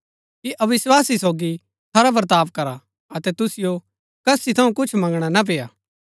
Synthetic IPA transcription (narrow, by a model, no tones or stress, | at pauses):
kiʔɐʋɪswaːsisoːɡi | t̪ʰaːɾapɾət̪aːpkɐɾa | ɐt̪ɛt̪ʊsɪjo | kɐsit̪ʰɐũkʊt͡ʃʰmɐ̃ŋɡɽ̃anap̬eːjaː